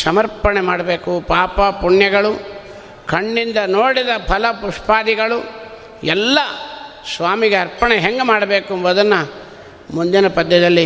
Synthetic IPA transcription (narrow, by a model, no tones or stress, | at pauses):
sɐmɐɾpɐɳemaːɽɐbeːkupaːpɐpuɳjɐɡɐɭu | kʰɐɳːind̪ɐnoːɽid̪ɐpʰɐlɐpuʂpaːd̪iɡɐɭu | ɛlːɐ | sʋaːmiɡeɐɾpɐɳeɦeŋɡemaːɽɐbe̞ːkuɐmʋɐd̪ɐnːɐ | mund̪inɐpɐd̪jɐd̪ɐlːi